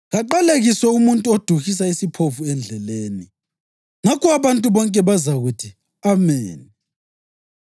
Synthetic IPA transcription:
ɣaǃaleɣisɛumuntʼuod̥ʱuɣis̬aisipʰovuɛnd͡ɮʱɛleːni | ŋakʰɔaβantʼuβɔŋkʼɛβazaɣutʰi | ameːni

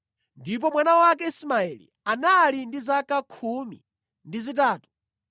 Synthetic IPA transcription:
ndip̬ɔmwanawakɛismaɛlḭ | analindizakakʰumḭ | ndizit̬aːtu̥

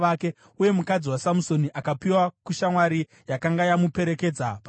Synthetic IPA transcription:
ake̞ | uje̞mukad͡ziwasamuso̞niʔakapiwakuʃamwaɾi | jakaŋɡajamupe̞ɾe̞ke̞d͡zapa

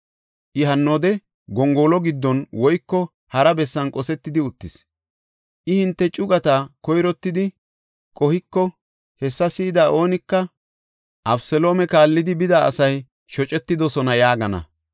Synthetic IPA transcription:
ʔɪɦɐnːoːd̪ɛ | ɡɔŋɡo̞ːlɔɡɪd̪ːɔnwɔjkːɔ | hɐɾɐbɛsːɐnkʼɔsɛt̪ːɪd̪ɪʊt̪ːɪs | ʔɪhɪnt̪ːɛt͡ʃʼʊɡɐt̪akɔjɾɔt̪ːɪd̪ɪ | kʼɔhɪkːɔ | hɛsːɐsiːd̪aːʔo̞ːnɪkːɐ | ʔɐbsɛlo̞ːmɛkaːlːɪd̪ɪbɪd̪a̰ːsɐj | ʃɔt͡ʃʼɛt̪ːɪd̪ɔsɔnɐjaːɡɐnɐ̰

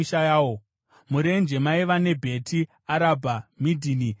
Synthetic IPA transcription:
iʃajaːwo | muɾe̞nd͡ʒe̞maiʋane̞bʱe̞tʰi | aɾabʱamidʱini

